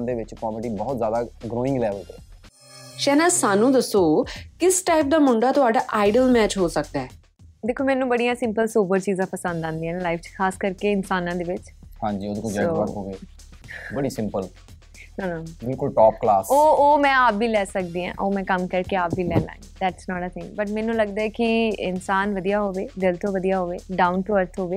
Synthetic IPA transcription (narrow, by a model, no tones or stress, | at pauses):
nd̪eːʋɪt͡ʃkɔːməʈiːbɔːt̪zjaːd̪aːɡɾoːɪ̃ŋɡlɛːʋəlt̪e | ʃɛːnãːsaːnũːd̪əsoːkɪsʈaːɪp̚d̪aːmʊɳɖaːt̪ʊaːɖaːʔaːɪɖəlmɛːt͡ʃɦoːsək̚d̪aɛː | d̪eːkʰːoːmɛ̃ːnũːbəɽijãːsɪ̃mpəlsoːbəɾt͡ʃiːzãːpəsə̃nd̪ãːnd̪iːɛ̃ːnːlaːɪfʰt͡ʃkʰaːskəɾkeːɪnsaːnãːd̪eːʋɪt͡ʃhãːɲd͡ʒiːoːd̪ekʊd͡ʒaoəoːʋe | bəɽiːsɪ̃mpəl | naːnabɪlkʊlʈɔːp̚klaːsoːoːmɛ̃ːaːp̚biːlɛːsək̚d̪iːɦã̰ːʔoːmɛ̃ːkəmkəɾkeaːpbiːlɛ̰ːlã̰ːɪ̰̃ŋɡd̪ɛːʈsnɔːʈət̪ʰɪ̃ŋɡbəʈ̬mɛ̃ːnũːləɡd̪aːɛːkɪɪnsaːnʋəd̪ijaːɦoːʋeːd̪ɪlt̪õːʋəd̪ijaːɦoːʋeːɖaːʊnʈʊʋəɾt̪ʰɦoːʋeː